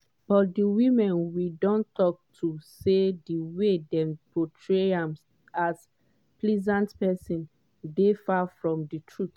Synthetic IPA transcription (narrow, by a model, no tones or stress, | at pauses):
b̥ɔtdiwĩmɛ̃nwidɔ̃ntɔk̚tʰusediwedɛ̃mpotʰɹeãms | as | plɛzãntpɛsĩn | defafɹɔ̃mditʰɹut